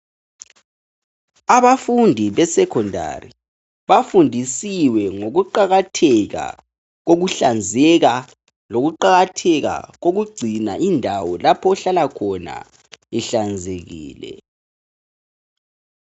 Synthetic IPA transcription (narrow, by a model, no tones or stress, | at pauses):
aβafundʱiβɛsɛkʰɔndʱa̰ri | βafundʱisiwɛŋoɣuǃaɣatʰɛɣa̰ | ɣoɣuɬand͡zʱɛɣa | loɣuǃaɣatʰɛɣa̰ɣoɣuɡ͡ǀʱina̰ʔindʱawɔlapʰɔːɬalakʰɔna̰ | ɛɬand͡zʱeɣḭːlɛ̰